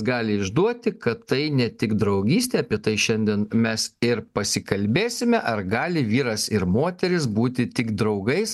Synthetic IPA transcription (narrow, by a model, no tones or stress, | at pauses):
ɡɑːlʲɪɪʒd̪uɔt̪ʲɪkɐtt̪ɐɪnʲɛt̪ʲɪɡd̪ɾɐʊɡʲiːsʲt̪ʲeːɐpʲiɛt̪ɐɪʃʲɛnʲd̪ʲɛnmʲɛsɪɾpɐsʲɪkɐlʲbʲeːsʲɪmʲɛʔɐɾɡɑːlʲɪʋʲiːɾɐsɪɾmoːt̪ʲɛɾʲɪs̬buːt̪ʲɪt̪ʲɪɡd̪ɾɐʊɡɐɪs